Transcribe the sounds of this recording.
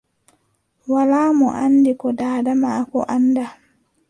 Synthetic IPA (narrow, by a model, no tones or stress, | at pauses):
walaːmɔ̰ʔanːdikɔdaːdamakɔ̰ʔanda